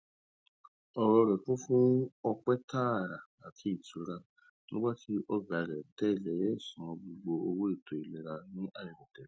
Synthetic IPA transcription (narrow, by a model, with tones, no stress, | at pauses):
ɔ˨ɾɔ˧ɾɛ˨fũ˦fũ˦ɔ˧k͡pɛ˦ta˦˨ɾa˨ | a˨tʰi˦˨tu˨˦ɾa˦˨ | nĩ˦ɡ͡ba˦tʰi˦ʔɔ˦vi˨a˨˧˨ɾɛ˨dɛ˦˨lɛ˨ɾɛ˦˨sũ˨ɔ̃˨˧ɡ͡bo˧ɡ͡bo˧o˧wo˦i˦˨to˨i˨lɛ˨ɾa˧nĩ˦ʔa˦˨i˨ɾɔ˨dɛ˨ɛ˨˦